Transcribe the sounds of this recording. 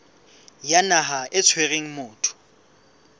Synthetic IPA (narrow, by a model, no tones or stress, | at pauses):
janaɦaʔɪt͡sʰweɣeŋ̩mʊːtʰʊ̥